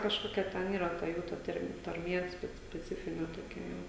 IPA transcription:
kɐʃˈkoːkʲɛ ˈtʲɛn ˈiːrɐ tɐ ˈjuː ˈtɐrm tɐrʲˈmʲiɛ ˈsʲpʲɛ sʲpʲɛˈt͡sʲɪfʲɪnʲɛ toːˈkʲɛ ˈjɛʊ

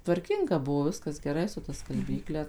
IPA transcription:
tʋɐrʲˈkʲɪŋɡɐ ˈbʊʋoː ˈʋʲɪskɐs ɡʲɛˈrɐɪ sʊ tɐ skɐlʲˈbʲiːklʲɛ

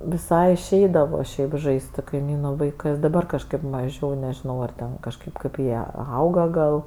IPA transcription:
ʋʲɪˈsɐɪ ɪʃʲˈɛɪdɐʋoː ˈʃʲɛɪp ˈʒɐɪsʲtʲ sʊ kɐɪˈmʲiːnʊ ʋɐɪˈkɜs dɐˈbɐr kɐʃˈkɐɪp mɐˈʒʲɛʊ nʲɛʒʲɪˈnɐʊ ɐr ˈtʲɛn kɐʃˈkɐɪp kɐɪp ˈjiɛ ˈɐʊɡɐ ɡɐlˠ

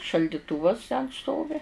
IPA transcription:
ʃɐlʲdʲɪˈtuːʋɐs tʲɛn ˈstoːʋʲɪ

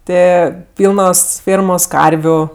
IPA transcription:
ˈtɜ ˈpʲiːlˠnoːs ˈfʲeːrmoːs ˈkɐrʲʋʲʊ

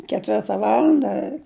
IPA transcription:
kʲɛˈtʲʋʲɪrtɐ ˈʋɑːlˠɐndɐ

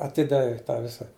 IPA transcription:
ɐˈtʲɪdɐʋʲeː ˈtɑː ˈʋʲɪsɐ

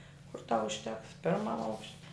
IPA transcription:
kʊr ˈtɐʊ ʊʃʲˈtʲɛks ˈpʲɪrmɐm ˈɐʊkʃʲ

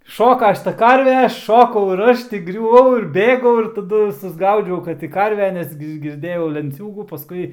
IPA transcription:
ˈʃoːkɐ ˈʃʲɪtɐ ˈkɐrʲʋʲɛ ˈʃoːkɐʊ ɪr ˈɐʃ tʲɪ ɡrʲʊˈʋɐʊ ɪr ˈbʲeːɡɐʊ ɪr tɐˈdʊ sʊzˈɡɐʊd͡ʒʲɛʊ ˈkɐt tʲɪ ˈkɐrʲʋʲɛ ˈnʲɛs ɡʲɪ ɡʲɪrʲˈdʲeːjɛʊ lʲɛnʲˈt͡sʲuːɡuː pɐˈskʊɪ

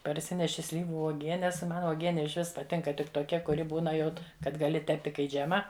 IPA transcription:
pɐrʲˈsʲɪnʲɛʃʲɪ ˈsʲlʲiːʋʊ uɔˈɡʲiɛnʲɛs ˈmɐn uɔˈɡʲiɛnʲɪ ɪʃ ˈʋʲɪs pɐˈtʲɪŋkɐ ˈtʲɪk toːˈkʲɛ kʊˈrʲɪ ˈbuːnɐ ˈjɛʊt kɐt ɡɐˈlʲɪ ˈtʲæːpʲtʲɪ kɐɪ ˈd͡ʒʲæːmɐ

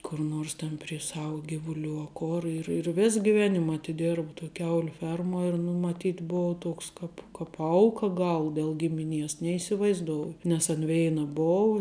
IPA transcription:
kʊr ˈnoːrs ˈtʲɛn pʲrʲiɛ ˈsɐʊ ˈɡʲɪʋʊˌlʲuː ɐ ˈkoːr ɪr ɪr ˈʋʲeːs ɡʲɪˈʋʲæːnʲɪm ɐtʲɪˈdʲeːrp toːj ˈkʲɛʊlʲʊ ˈfʲɛrmuɔ ɪr nʊ mɐˈtʲiːtʲ ˈboːʊ ˈtuɔks ˈkɐp kɐp ˈɐʊkɐ ˈɡɐlˠ dʲɛlˠ ˈɡʲɪmʲɪˌnʲiɛs nʲɛiːsʲɪʋɐɪzˈdoːʊjʊ nʲɛs ɐn ˈʋʲɛɪnɐ ˈboːʊ

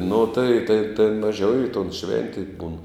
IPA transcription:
nʊ tɐɪ tɐɪ tʲeːn mɐˈʒʲɛʊ ɪ toːn ˈʃʲʋʲɛnʲtʲeːj buːn

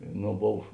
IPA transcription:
ˈnoː ˈboːw

